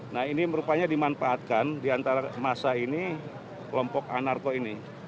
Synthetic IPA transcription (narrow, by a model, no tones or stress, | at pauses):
nahiniməɾupaɲadimanfaːt̪̚kandiant̪aɾamasaini | kəlɔmpɔka̰narkoini